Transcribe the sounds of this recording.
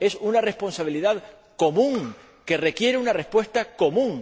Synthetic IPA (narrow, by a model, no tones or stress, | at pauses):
e̞sunare̞spo̞nsaβ̞iliðað | ko̞mũŋ | ke̞re̞kje̞ɾeunare̞spwe̞st̪ako̞mũŋ